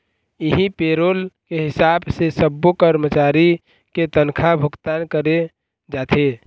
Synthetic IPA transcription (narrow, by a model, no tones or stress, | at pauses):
iɦipeɾolkeɦɪsabsesəbːokəɾmət͡ʃaɾi | ket̪ənkʰabʱʊkt̪ankəɾe | d͡ʒat̪ʰe